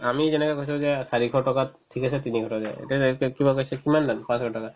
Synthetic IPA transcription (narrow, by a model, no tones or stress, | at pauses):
amizɛnɛkɔjkosɔ̃zɛsaɹiɡʰʱɔtɔkatʰːikasɛt̪iniɡʱɔtɔzɛ̰ḛtɛkibakojsɛkimandanpãsɡʰʱɔtɔka